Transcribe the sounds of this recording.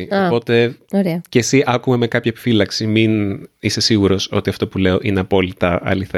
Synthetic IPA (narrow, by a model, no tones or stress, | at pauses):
ioɐpo̞t̪e̞oɾeɐceːsiʔɐkume̞me̞kɐpçɐepi̥filɐksiminise̞siɣuɾo̞so̞̰t̪iɐft̪o̞pule̞o̞ʔine̞ɐpo̞lit̪ɐʔɐ̰liθe